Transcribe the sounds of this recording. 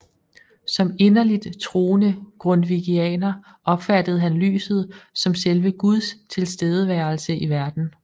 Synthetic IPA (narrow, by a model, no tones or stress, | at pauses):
sɒ̽me̝nɐlid̥t͡sʰʁo̝ːnəɡ̥ʁɔnʋiɡ̥iɛ̰ːnɐ | ʔɒ̽b̥fæd̥əð̩ˠɦænly̰ːsð̞̩ˠsɒ̽mselʋəɡ̥uð̞ˠst͡sʰe̝lsd̥eːð̞ˠəʋæɐl̩səʔiʋæɐd̥n̩